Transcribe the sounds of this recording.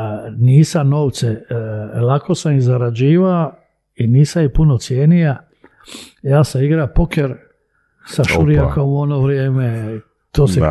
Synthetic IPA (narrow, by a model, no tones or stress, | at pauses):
niːsamno̞ːʋt̪selako̞samizaɾad͡ʑiːʋao | iniːsamipunot̪sjeːnija | jaːsaiɡɾapokeɾ | saʃuɾijakomuonoʋɾjeːme | t̪oːse